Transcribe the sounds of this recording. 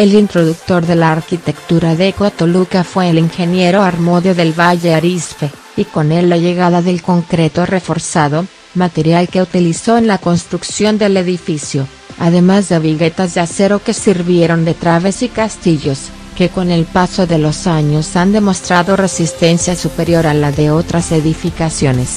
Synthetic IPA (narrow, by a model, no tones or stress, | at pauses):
e̞lint̪ɾo̞ðuk̚t̪o̞ɾðe̞laːɾkit̪e̞kt̪uɾaðekot̪olukafweːliŋxe̞nje̞ɾo̞aɾmoðjo̞ðe̞lβaʝeaɾispe̞ | iko̞ne̞lːaʝe̞ɣaðaðe̞lko̞ŋkɾe̞t̪o̞re̞fo̞ɾsaðo̞ | mat̪e̞ɾjalke̞ut̪iliso̞enlako̞nst̪ɾuksjo̞nd̪e̞le̞ðifisjo̞ | a̰ðe̞mazðeβiɣe̞t̪azðease̞ɾo̞ke̞siɾβje̞ɾo̞nd̪e̞t̪ɾaβe̞sikast̪iʝo̞s | ke̞ko̞ne̞lpaso̞ðe̞losaɲo̞sand̪e̞mo̞st̪ɾaðo̞re̞sist̪e̞nsjasupe̞ɾjo̞ɾalaðe̞o̞t̪ɾase̞ðifikasjo̞ne̞s